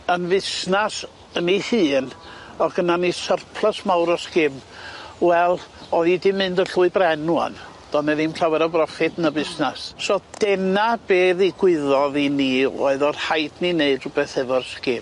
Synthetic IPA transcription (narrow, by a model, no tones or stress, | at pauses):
ənvɪsnas | ənihɨːnɔɡ̥ənanisərpʰlˠasmawɾɔskɪmwɛlˠɔðidɪmːɨndəɬuɨbrɛnua̰n | d̥ɔnɛðimɬawɛɾɔbrɔfɪdʰnəbɪsnassɔd̥ɛnab̥eːðiɡwɪðɔðiniɔ̰ɨðɔr̥hajdnineɨd̥rʊbɛθɛvɔrskɪm